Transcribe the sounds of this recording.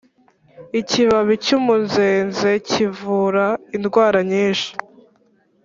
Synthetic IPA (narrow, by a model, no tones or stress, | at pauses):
iciβaβicumunzeːnze̞civuɾainɡwaːɾaɲiːnʃi̥